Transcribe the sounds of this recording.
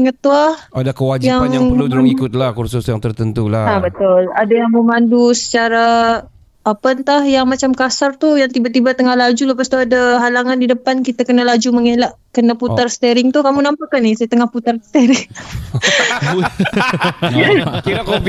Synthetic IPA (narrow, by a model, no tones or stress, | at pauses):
əŋət̪uahadakəwad͡ʒjaŋjaplut̪ɾʊŋikʊt̪̚lahkursʊsjaŋt̪ərt̪ənt̪ulaabət̪ʊladajaŋməmandusə̥t͡ʃaɾaː | pənt̪ahjaŋmat͡ʃamkasart̪ujaŋt̪ibat̪ibat̪əŋahlad͡ʒulahpast̪uadaɦalaŋandidəpankit̪akənalad͡ʒuməŋelaʔkənaputarsə̥t̪eɾɪŋt̪ukamunampakanɪsajat̪əŋahput̪arsə̥t̪eɾɪŋ | kiɾakop